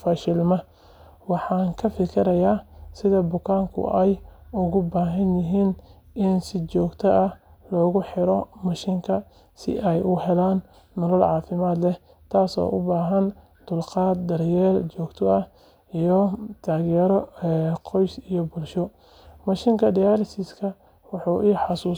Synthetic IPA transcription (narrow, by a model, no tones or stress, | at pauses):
faʃɪlmɐ | wɑħɑːŋkʰɐfɪkʰɪɾɐjaːsɪðɐbʊkʰaːŋkʰʊ̰ʔɛjʊɣʊbaːɦɐnjɪɦiːn | ʔɪnsɪt͡ʃɔːɡt̪ʰɐʔɐh | lɔːɣʊħɪɾɔmɐʃɪŋkʰɐ | sɪ̰ʔɛjʔʊɦɛlaːn | nɔlɐlʕɑːfɪmaːd̪lɛ | t̪ʰaːsɔ̰ːʔʊ̰baːɦɐn | d̪̥ʊlqɑːt̪̚d̪ɐrjɛːrt͡ʃɔːɡt̪ʰɔɐ | ijɔt̪ʰaːɣjɛɾɔqɔjsijɔbʊlʃɔ | mɐʃɪŋkʰɐd̪ijalɪsɪskʰɐ | wɑħuːʔiːħɑsuː